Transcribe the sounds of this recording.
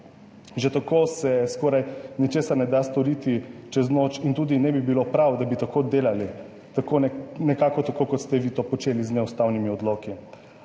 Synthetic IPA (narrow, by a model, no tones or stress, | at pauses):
ʒɛt̪akoːsɛskɔːɾajnit͡ʃeːsaɾnɛd̪ast̪ɔɾiːt̪it͡ʃɛznot͡ʃint̪uːd̪inɛbibilopɾawd̪abit̪akod̪eːlali | t̪akonɛkaːkɔt̪akoːkɔt̪st̪ɛʋiːt̪opɔt͡ʃeːliznɛust̪awnimiɔd̪loːki